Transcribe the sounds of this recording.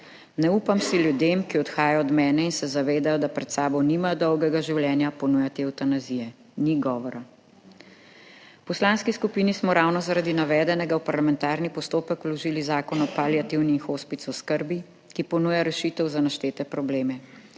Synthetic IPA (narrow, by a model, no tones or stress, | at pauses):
nɛuːpamsiljud̪emkiɔt̪xaːjaɔɔd̪mɛːnɛinsɛzaʋeːd̪ajɔd̪apɾɛt̪saːbɔwniːmajɔd̪ɔwɡɛɡaʒiwljɛːnjapɔnujat̪ewt̪anazijɛ | niɡɔːʋɔɾa | pɔslaːnskiskupinismɔɾawnɔzaɾad̪inaʋɛːd̪ɛnɛɡawpaɾlamɛnt̪aːɾnipɔst̪oːpəkwlɔʒiːlizaːkɔnɔpaljat̪iwnixoːspit̪sɔskəɾbi | kipɔnuːjaɾɛʃit̪ɛwzanaʃt̪eːt̪ɛpɾɔbleːmɛ